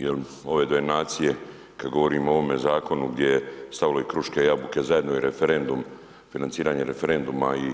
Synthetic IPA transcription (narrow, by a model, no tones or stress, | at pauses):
jel | o̞ʋe̞ːd̪ojenaːt̪sije̞ | kad̪ɡo̞ʋo̞ɾiːmooʋo̞me̞zaːko̞nuɡd̪je̞jest̪aʋilo̞ikɾuʃkejabuke̞zaje̞d̪noiɾefeɾe̞nd̪um | finant̪siːɾaːɲeɾefeɾe̞nd̪umai